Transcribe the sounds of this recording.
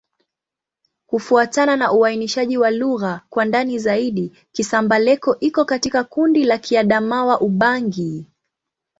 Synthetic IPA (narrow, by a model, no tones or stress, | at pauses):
kufuatananaʔuainiʃaʄiwaluɣakwandanizaiɗi | kisambalɛkɔʔikɔkatikakundilakʰiaɗamawaʔuɓaŋɡi